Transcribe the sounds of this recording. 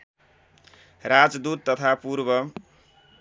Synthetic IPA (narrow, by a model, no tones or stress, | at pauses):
rad͡zd̪ud̪̚t̪ʌt̪ʰapuɾbʌ